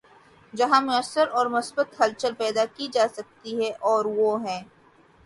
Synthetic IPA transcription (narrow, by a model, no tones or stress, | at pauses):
d͡ʒɐɦãmẽəsəɾɔːɾmʊsbət̪hɐlt͡ʃəɾpɛːd̪akid͡ʒaːsɐk̚t̪iɦɛʔɔːɾʋoɦɛ̃ː